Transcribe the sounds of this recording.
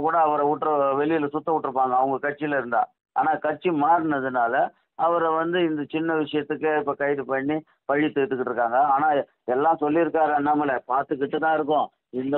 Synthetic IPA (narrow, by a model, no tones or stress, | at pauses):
kuːɽɐːʋɐɾɐʊʈːɾɐʋɛlɪjɪlɐsʊt̪ːɐʊʈːɪɾɯpːaːŋɡɐːʋɯŋɡɐkɐʈt͡ʃːɪlɐɪɾɯnd̪a̰ː | a̰ːnaːkɐʈt͡ʃːimaːɾɯnɐðɯnaːlɐ | ɐʋɐɾɐʋɐnd̪ɯɪnd̪ɐt͡ʃɪnːɐʋɪʂɐjɐt̪ːɯkːɯɪpːɐkɐɪɾɯpɐɳːi | pɐɻɪt̪ːɯʈ̪ːɯkːɯʈːɾɯkːaːŋɡɐaːnaː | ɛlːãːsɔlːɪɪɾɯkːaːɾɐnːɐmɐlɛpaːɾt̪ɯkːɪʈːɯt̪ːãːɪɾɯk̬ːʊ̃ | ɪnd̪ɐ